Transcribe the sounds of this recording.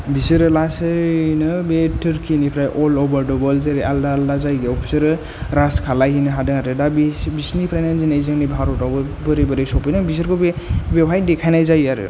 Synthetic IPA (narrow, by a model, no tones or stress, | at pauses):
bisɯɾɯlasɯnɯbetɯɾkʰinipʰɾajʔɔlɔbɔɾdɔbɔlzeɾeʔaldaldazajɡeɔpʰi̥sɯɾɯ | ɾaskʰalajɦinɯɦadɯŋatɯdabbisnipʰɾajnanzinajzɯŋnibʱaɾɔtɔbɯbɯɾibɯɾɯjsɔpɯjnɯbis̬ɯɾkʰobebepʰajdekʰajnajzajaɾɯ̰